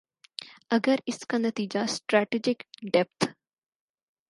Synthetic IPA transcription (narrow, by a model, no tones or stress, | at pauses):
əɡəɾɪskanət̪iːd͡ʒasʈɾɛːʈid͡ʒɪkɖɛp̚t̪